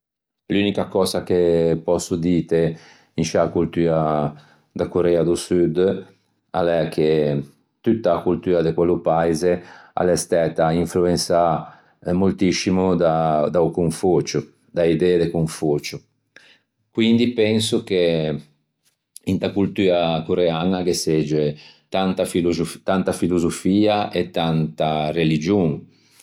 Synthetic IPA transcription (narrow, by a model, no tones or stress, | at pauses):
lunikakɔzakepɔsud̪iːt̪e | inʃakult̪yːɾa | d̪akoɾɛːad̪usyd̪ | a̰lɛkʰːe | t̪ut̪ːaːkult̪yːɾad̪ekwɛlːupaizea̰lɛst̪ɛt̪aiɱfluensa | molt̪isimud̪ad̪aukuɱfot͡ʃu | d̪aid̪ɛd̪ekuɱfut͡ʃu | kwind̪ipɛnsuk̟e | int̪akult̪uːɾakoɾeanakesed͡ʒet̪ant̪afiluzut̪ant̪afiluzofiːaet̪ːant̪arelid͡ʒuŋ